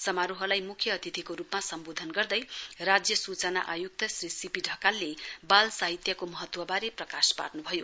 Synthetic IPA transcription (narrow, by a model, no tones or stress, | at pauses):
sʌmaɾuɦʌlajmukʰjʌːt̪ʰit̪ʰikoɾupmasʌmbod̪ʱʌnɡʌrd̪ʌjrad͡zjʌsut͡sʌna̰ʔajuk̚t̪ʌsrisipiɖʱʌkalːebalsaɦit̪jʌkomʌɦʌt̪wʌbaɾeprʌkaspa̰rnubʱʌjo